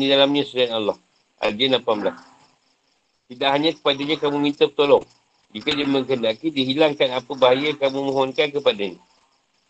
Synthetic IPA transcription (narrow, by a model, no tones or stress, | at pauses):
didalamɲãsuɾanalːɑh | ʔa̰ld͡ʒənapamblas | t̪idaʔɦaɲãkə̥padaɲãkamumint̪ək̚t̪olɔŋ | d͡ʒikadiaməŋkəndakidiɦilaŋkanapəbaɦajakamumõɦɔnkankəpadaɲa